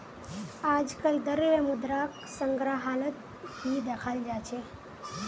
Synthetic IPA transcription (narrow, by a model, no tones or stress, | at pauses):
aːd͡ʒkəld̪əɾʋəmud̪ɾak | səŋɡɾaɦalət̪ | ɦid̪ekʰald͡ʒat͡ʃʰe